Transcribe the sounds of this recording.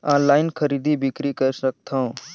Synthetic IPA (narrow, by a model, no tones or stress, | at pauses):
ãlaːɪnkʰəɾiːd̪ʱibɪkɾikəɾsək̚t̪ʰãũ